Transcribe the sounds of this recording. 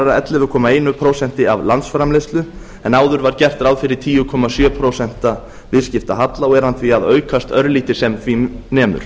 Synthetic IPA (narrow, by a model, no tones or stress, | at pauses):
ɾaɛt̪lɪvʏkʰɔːmaeːjnʏpʰɾowsɛn̥t̪ɪavlant̪sfɾamlest̪lʏ | ɛnaːwðʏɾvaɾcɛr̥t̪ɾawðfɪɾɪɾt̪ʰiːjʏkʰɔmasjœːpʰɾowsɛn̥t̪a | vɪðscɪft̪aɦat̪laɔɛɾhanθviaðœːɥkʰast̪œɾliːt̪ɪsɛmθvinɛːmʏ̰ɾ̥